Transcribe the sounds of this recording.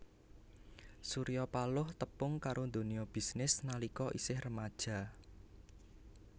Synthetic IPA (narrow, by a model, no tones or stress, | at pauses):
suɾijɔpalʊht̪əpʊŋkaɾʔond̪o̤niɔb̥isnɪsnalikɔʔisɪhrəmad̥ʒ̥a̤